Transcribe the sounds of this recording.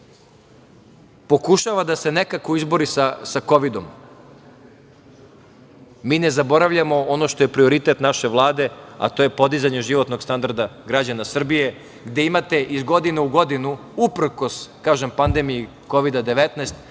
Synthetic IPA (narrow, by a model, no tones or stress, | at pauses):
po̞kuʃaʋad̪ase̞ne̞kakoizbo̞ɾisasako̞ʋid̪o̞m | miːne̞zabo̞ɾaʋʎamo̞ono̞ʃt̪ojepɾio̞ɾit̪e̞t̪naʃe̞ʋlˠaːd̪e̞a̰t̪o̞ːje̞po̞d̪izaɲe̞ʒiʋo̞t̪no̞ɡst̪and̪aɾd̪aɡɾad͡ʑanasr̩bije̞ | ɡd̪e̞imat̪e̞ʔizɡo̞d̪ineuɡo̞d̪inu | upɾko̞skaːʒempand̪e̞miji | ko̞ʋid̪ad̪e̞ʋet̪nɛst̪